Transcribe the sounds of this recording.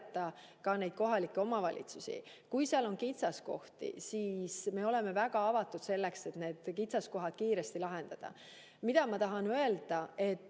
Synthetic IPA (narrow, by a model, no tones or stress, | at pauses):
t̪ːˑɑkɑne̞jd̪̥ko̞ɦɑlikːe̞o̞mɑvɑlʲʔḭt̪susḭ | kujseɑlo̞nkit̪sɑsko̞̰ht̪ḭsiːsme̞ːo̞le̞me̞væɡ̥ɑɑvɑt̪ːud̪̥se̞lːe̞kse̞t̪ne̞ːd̪̥kit̪sɑsko̞ɦɑd̪̥̚kiːɾest̪ilɑɦe̞nd̪̥ɑd̪̥ɑ̰ | mid̪ɑmɑt̪ɑɦɑnøe̞ld̪̥ɑe̞t̪ː